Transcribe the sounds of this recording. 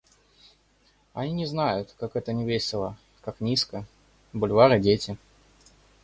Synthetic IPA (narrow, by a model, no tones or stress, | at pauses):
ɐnʲinʲɪznajʊt̪kakɛt̪ənʲɪvʲejsʲɪlˠə | kaknʲiskə | bʊlʲvaɾɨdʲetʲɪ